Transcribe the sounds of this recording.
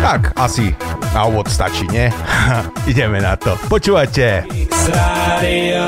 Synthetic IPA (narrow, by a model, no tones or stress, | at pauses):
t̪akasinaɔbɔt̪st̪a̰t͡ʃiɲɛ | iɟɛmɛnat̪ɔpɔt͡ʃuːvacɛ | a